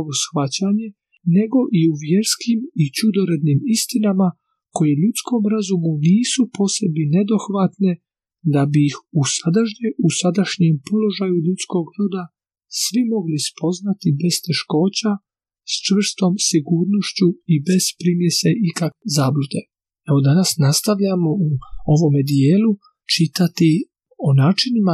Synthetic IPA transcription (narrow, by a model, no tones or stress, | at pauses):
ʋosxʋat͡ɕaɲe̞ | ne̞ɡo̞ʔiuʋje̞ɾskimit͡ɕud̪o̞ɾe̞d̪niːmist̪inama | ko̞je̞ʎut̪sko̞mɾazumuniːsupo̞ːse̞bnine̞d̪o̞xʋat̪ne̞ | d̪abiixusad̪aʃɲeʔusad̪aʃɲempo̞lo̞ʒajuʎut̪sko̞ɡɾod̪a | sʋimo̞ɡlispʰo̞znat̪ibe̞st̪e̞ʃko̞ːt͡ɕa | st͡ʃʋr̩st̪o̞ːmsiɡuːɾno̞ʃt͡ɕuibe̞z̥pɾimjeseʔikakezaːblud̪e̞ | e̞ʋo̞d̪anasnast̪aʋʎamo̞uo̞ʋo̞med̪ijeːlu | t͡ʃit̪at̪i | o̞naːt͡ʃinima